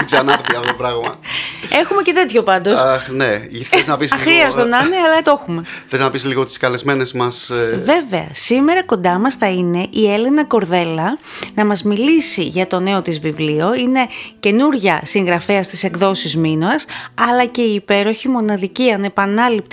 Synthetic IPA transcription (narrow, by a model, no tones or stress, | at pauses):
kzɐnɐɾt̪ɐfotopɾɐɣmɐe̞xume̞ce̞t̪e̞t̪ço̞pɐnd̪o̞sɐxneiznɐpisɐxɾiɐst̪onɐneɐlɐt̪o̞xume̞eliznɐpisliɣot̪i̥skɐle̞zme̞ne̞zmɐsve̞ve̞ɐ̰sime̞ɾɐko̞nd̪ɐmɐsθɐine̞ʔie̞le̞nɐko̞ɾðe̞lɐ | nɐmɐzmilisiʝɐt̪o̞ne̞o̞t̪izvivlio̞ine̞ce̞nuɾʝɐsiŋɣɾɐfeɐst̪ise̞ɡðo̞sizminoɐsɐlɐce̞iːpe̞ɾo̞çimo̞nɐðiciɐne̞pɐnɐlip̚t̪